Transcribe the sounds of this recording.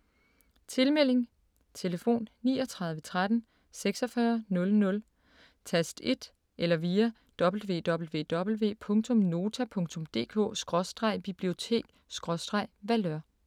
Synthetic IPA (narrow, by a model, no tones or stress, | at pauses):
t͡sʰe̝lmel̰e̝ŋ | t͡sʰe̝ləfo̝̰ːnnḭːɒt͡sʰʁɑ̈ðˠʋət͡sʰʁad̥n̩ | seɡ̥sɒ̽fɶɐnɔ̽lnɔ̽l | t͡sʰæsd̥e̝d̥ | ʔelɐʋiːɐ | d̥ɒ̽b̥l̩ʋe̝̰ːd̥ɒ̽b̥l̩ʋe̝̰ːd̥ɒ̽b̥l̩ʋe̝̰ːpʰɔ̽ŋt͡sʰɔ̽mno̝ːt͡sʰæpʰɔ̽ŋt͡sʰɔ̽md̥e̝̰ːkʰɔ̰̽ːsɡ̥ʁɒ̽sd̥ʁɑ̈ɪ̰b̥ib̥lio̝t͡sʰe̝̰ːɡ̥ | sɡ̥ʁɒ̽sd̥ʁɑ̈ɪ̰ʋælɶɐ̰